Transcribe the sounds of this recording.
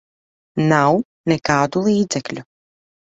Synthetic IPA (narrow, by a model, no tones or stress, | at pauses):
naw | nɛkaːd̪ulˠiːd̪zɛklʲu